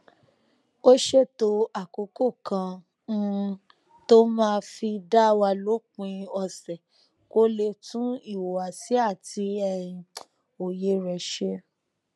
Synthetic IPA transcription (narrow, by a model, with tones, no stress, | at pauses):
o˦ʃe˦˨to˧˦a˨ko˨˦ko˦˨kã˧ | ñ̩˦˧ | to˦mãː˦˧fi˧da˦wa˧lo˨˦k͡pũ˧ĩ˧ɔ˧sɛ˨ | ko˦le˧tũ˦i˦˨wo˨wa˨si˨˦a˦˨tʰi˧ɛ˦˨jĩ˨ | o˨je˧ɾɛ˨ʃe˧